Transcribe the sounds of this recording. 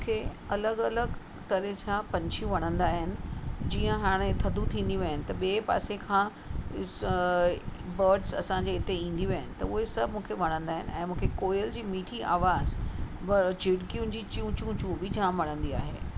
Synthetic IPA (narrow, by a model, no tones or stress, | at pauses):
m̃ːkʰe | ɐləɡɐləɡ | t̪ɐɾet͡ɕʰãpɐ̃ɲt͡ɕʰijũʋɐɽ̤̃ə̃nd̪aːɦɪnɪ̆d͡ʑiːə̃ɦaːɽ̃et̪ʰɐd̪ʱut̪ʰĩːn̆d̪iʋɐɦɪnɪ̆t̪ɐɓeːpa̰ːsekʰãː | bəːɾɖzɐ̰sãɲd͡ʑeːɪt̪eĩːn̆d̪iʋɐəɦɪnɪ̆t̪ɐʊɦesɐbʱmũːkʰeʋɐɽ̃ə̃nd̪aːɦɪnɪ̰̆ɛ̃ːmũːkʰekoːjəld͡ʑiːmiːʈʰiʔa̰ːʋaːzbd͡ʑɪɽkijũnɪ̆d͡ʑiːt͡ɕũt͡ɕũːt͡ɕũbɪd͡ʑãʋɐɽ̤̃ə̃nd̪ia̰ːɦḛː